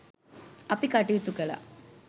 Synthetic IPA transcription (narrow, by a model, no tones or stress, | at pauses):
ɐpːikɐʈːijit̪ːukːɐla̰